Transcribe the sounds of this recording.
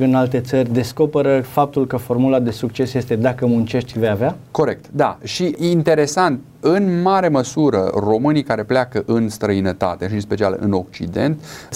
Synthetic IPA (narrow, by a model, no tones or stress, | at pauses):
ɨnalt̪e̞t̪sərʲd̪e̞sko̞peɾəfap̚t̪ulkəfo̞rmulad̪e̞suk̚t͡ʃe̞sje̞st̪e̞d̪akəmunt͡ʃe̞ʃt̪ʲvejaveako̞ɾe̞k̚t̪d̪a̰ʃiint̪e̞ɾe̞sant̪ | ɨnmaɾe̞məsuɾə̰ro̞mɨnikaɾe̞pleakəʔɨnst̪ɾəinət̪a̰t̪e̞ʃinspe̞t͡ʃia̰lɨ̰no̞k̚t͡ʃḭd̪e̞̰nt̪